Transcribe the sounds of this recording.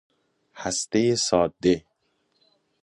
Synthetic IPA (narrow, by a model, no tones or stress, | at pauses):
hæst̪ejesɒːd̪ːe